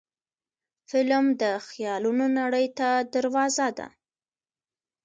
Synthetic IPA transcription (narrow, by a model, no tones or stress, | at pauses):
fɪlmd̪əxjɑlunonaɽəjt̪ad̪aɾwɑzad̪a̰